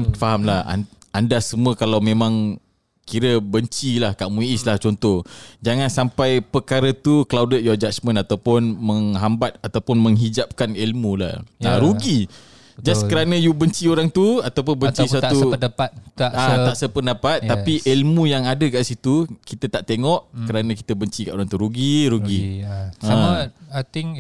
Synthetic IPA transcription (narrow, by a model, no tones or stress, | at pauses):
faɦamlaha̰ | andasəmuəkalawmẽmãŋ | kiɾəbəɲt͡ʃilahkaʔmũiislaht͡ʃɔnt̪ɔhd͡ʒaŋansampajpəkaɾət̪uklawdəjad͡ʒat͡ʃmə̃nat̪awpʊnməŋɦambat̪̚at̪awpʊnmə̃ŋɦid͡ʒap̚kanilmũla̰haɾuɡi | d͡ʒaskəɾanə̃jubəɲt͡ʃioɾaŋt̪uat̪awp̬ʊnbəɲt͡ʃisat̪upədapat̪̚aʔat̪aʔsəpəndapat̪̚ːapiʔilmũjaŋadəkaʔsit̪ukit̪ət̪aʔt̪eŋɔʔkəɾanãki̥t̪əbəɲt͡ʃikaʔoɾaŋt̪uɾuɡiɾuɡi | ə̃at̪iŋ